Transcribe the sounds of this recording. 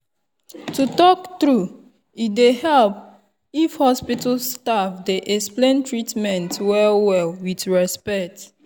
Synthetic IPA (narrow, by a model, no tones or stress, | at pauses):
tutɔktɹu | idehɛlp | ifhɔspitalstavdeʔɛksplẽntɹitmɛ̃ntwɛlwɛlwidɹɛspɛk̚t